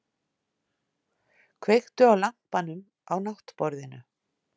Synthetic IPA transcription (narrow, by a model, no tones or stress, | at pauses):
kʰvejxt̪ʏawlam̥panʏm | awnaht̪pɔɾðɪnʏ̰